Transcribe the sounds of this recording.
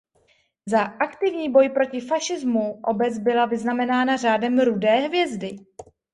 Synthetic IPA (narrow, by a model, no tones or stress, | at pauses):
zaʔakt̪ɪvɲiːbo̞jpɾo̞cɪfaʃɪzmuʔo̞bɛt͡sbɪlavɪznamɛnaːnar̝aːdɛmɾudɛːɦvjɛzdɪ